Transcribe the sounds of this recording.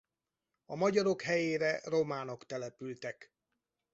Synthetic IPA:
ɒmɒɟɒɾo̞kɦɛjeːɾɛro̞maːno̞kt̪ɛlɛpylt̪ɛk

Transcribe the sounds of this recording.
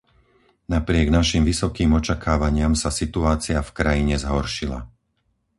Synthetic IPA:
napɾɪɛɡnaʃimʋisɔkiːmɔt͡ʃakʰaːʋaɲɪamsasit̪uaːt͡siafkɾajiɲɛzɦɔɾʃila̰

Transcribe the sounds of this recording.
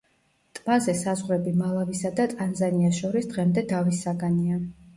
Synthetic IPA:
t̪ʼmazɛsazʁɾɛbimalˠavisad̪at̪ʼanzaniasʃɔɾisd̪ʁɛmd̪ɛd̪avisaɡania

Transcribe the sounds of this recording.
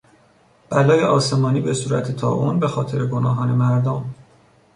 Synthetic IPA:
b̥ælɒːje̞ʔɒːse̞mɒːniːbesuːɾæ̰t̪ʰet̪ʰɒ̰ːʔunbe̞xɒːt̪ʰe̞ɾeɡonɒːɦɒːne̞mæɾd̪om

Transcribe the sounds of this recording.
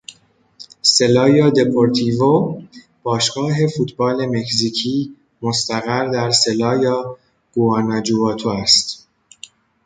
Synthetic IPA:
se̞lɒːjɒːd̪e̞pʰoɾt̪ʰiːvo | b̥ɒːʃɡɒːɦe̞fuːt̪ʰbɒːle̞me̞csiːcʰiː | most̪æɣæɾd̪æɾse̞lɒːjɒː | ɡ̥uɒːnɒd͡ʒuvɒːt̪ʰoæst̪

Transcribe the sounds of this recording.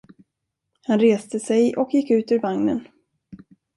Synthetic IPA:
hanɾeːst̪əsɛjʔɔkjɪkːʉ̟ːt̪ʉːɾvaŋnən

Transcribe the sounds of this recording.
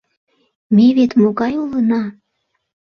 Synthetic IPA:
meβet̪moɣɑjulənɑ

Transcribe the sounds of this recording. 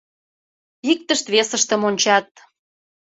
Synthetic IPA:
ik̚t̪əʃt̪βesə̆ʃt̪ə̆monʲt͡ɕɑt̪̚

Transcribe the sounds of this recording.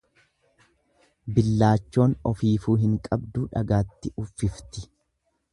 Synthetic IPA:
bɪlːaːt͡ʃːo̞ːnɔfiːfuːɦɪŋkʼɐbd̪uːᶑɐ̰ɡaːt̪ːɪʊfːɪft̪ɪ

